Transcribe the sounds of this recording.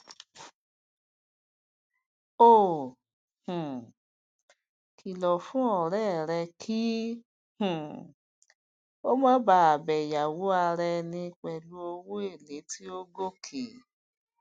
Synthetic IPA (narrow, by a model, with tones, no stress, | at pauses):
o˦˨ | hũ˨ | kʰi˨lɔ˨fũ˦ɔ˨ɾɛ˦˨ɾɛ˧kʰi˦ | hũ˨ | o˦mɔ̃˦ba˧˦a˨bɛ˨ja˨wo˨˦a˧ɾɛ˧nĩ˧k͡pɛ˨lu˧˦o˧wo˦e˦˨le˨˦ti˦o˦ɡo˦kʰe˨